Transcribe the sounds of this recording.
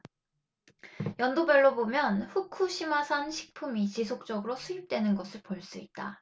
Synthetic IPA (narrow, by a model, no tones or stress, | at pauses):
jʌndobeɭːobomjʌnɸukʰuɕʰimasʰanɕʰi̥k̚pʰumit͡ɕisʰok̚t͡ɕ͈ʌɡɯɾosʰuip̚t͈we̞nɯnɡʌsʰɯɭpoɭs͈uit̚t͈a̰